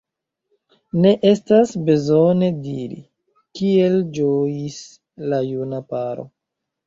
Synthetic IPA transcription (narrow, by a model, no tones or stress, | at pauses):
ne̞ʔe̞stasbezo̞ne̞diɾḭ | kield͡ʒojis | lajunapaɾo̰